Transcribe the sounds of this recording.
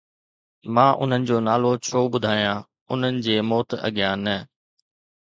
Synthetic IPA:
mãːʔʊ̰n̤ənɪ̆d͡ʑoːnaːlot͡ɕʰoːɓʊd̪ʱaːijãː | ʊn̤ənɪ̆d͡ʑeːmoːt̪ɐ̰ɠɪjãːnə

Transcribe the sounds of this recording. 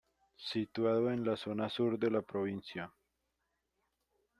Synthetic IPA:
sit̪waðoenlaso̞nasuɾd̪e̞lapɾoβinsja

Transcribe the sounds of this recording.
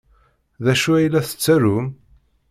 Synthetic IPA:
ðæʃuæjlæθə̥t͡sːæɾum

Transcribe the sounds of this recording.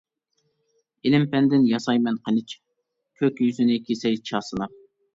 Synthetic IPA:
ɪlɪmpɛnd̪ɪnjɑsɑjmɛnqʰənɪt͡ʃ | kʲʰøkʲjyzynɪkʲʰesɛjt͡ʃʰɑːsɨnɑp̚

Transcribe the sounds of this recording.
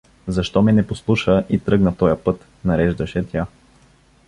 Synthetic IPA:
zɐʃt̪ɔmɛnɛposlˠuʃəʔit̪ɾɤɡnɐt̪ɔjəpɤt̪ | nɐɾɛʒd̪ɐʃɛt̪ʲja

